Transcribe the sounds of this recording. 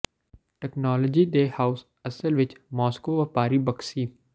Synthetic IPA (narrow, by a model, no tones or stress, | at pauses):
ʈɛknɔːləd͡ʒiːɖ̪eːhaːʊs | ɐsəlʋɪt͡ʃmɔːskoʋɐpaːɾibɐksiː